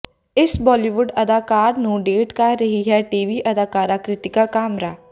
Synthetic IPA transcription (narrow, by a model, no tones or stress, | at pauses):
ɪsbɔːliʋʊɖɐd̪aːkaːɾnũɖeːʈkaɾɐɦiɦɛʈiːʋiːʔɐd̪aːkaːɾaːkɾɪt̪ɪkakaːmɾaː